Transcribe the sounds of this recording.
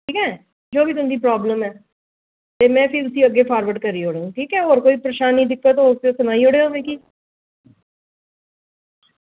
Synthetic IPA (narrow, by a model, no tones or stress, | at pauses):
ʈʰiːkɛː | d͡ʒoːʋiːt̪ʊmd̪iːpɾaːbləmɛː | t̪eːmɛ̃ːpʰɪɾt̪ʊsiːəɡeːpʰaːɾʋəɖkəɾiːɦoːɽeːũːʈʰiːkɛːɦoːɾkoːiːpɾəʃaːnɦĩːd̪ɪkʰːoːt̪oːseosənaːiːoːɽeːoːʋẽːkiː